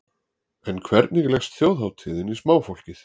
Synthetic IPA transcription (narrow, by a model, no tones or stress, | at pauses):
ɛnkʰvɛɾt̪̚nɪɣlɛxst̪θjoːwðɦawt̪ʰɪːðɪnismaːwfowl̥cɪθ